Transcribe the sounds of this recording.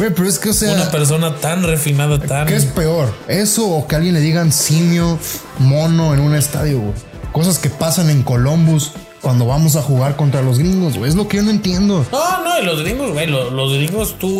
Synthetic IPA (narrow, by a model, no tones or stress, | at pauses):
bejpe̞ɾoe̞ske̞ose̞uanapeɾs̬o̞nat̪anrefinaðat̪ankeespe̞o̞ɾe̞so̞ːkealɣje̞nle̞ðiɣansimjomo̞no̞enũne̞st̪aðjoɣwḛj | ko̞s̬aske̞pasane̞ŋko̞lo̞mbus | kwand̪o̞βamo̞s̬axuɣaɾko̞nt̪ɾalo̞zɣɾiŋɡo̞zwejezlo̞keʝo̞noent̪je̞nd̪o̞nonoelozɣɾiŋɡozwelolozɡɾiŋɡost̪u